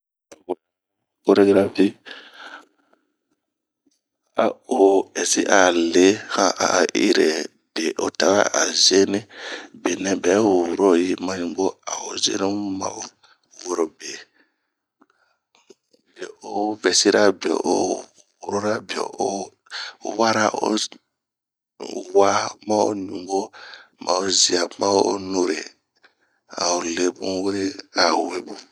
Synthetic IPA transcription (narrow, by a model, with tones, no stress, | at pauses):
ko˦ɾe˦ɡi˦ɾa˦vi˦ | a˨o˨ɛ˨si˦ʔa˨le˦hã˦ʔa˨i˦ɾḛ˨ | b̥e˨ʔo˨ta˨˦ɾa̰˦ʔa˨ze˦nĩ˦be˨nɛ̃˦bɛ˨˦o˨wu˨ɾo˦ji˦mã˦ɲũ˨˦bo˦a̰˨o˨zḛ˦ni˦mã̰˨ | wo˨ɾo˨be˨ | bi˨o˦vɛ˨si˦ɾa˦bi˨ɔ̰˨ʔo˦ | wu˨ɾo˦ɾa˦bi˨ɔ̰˨ʔo˦ | wa˦ɾa˦ʔo̰˦ | wa˦mã˦o̰˦ɲṵ˨ŋɡo˦ma̰˨o˨zi˨a˨mã˦o˦no˨ɾḛ˨ | a̰˨o˨le˨bṵ˦we˦ɾe˦a˨we˦bo˨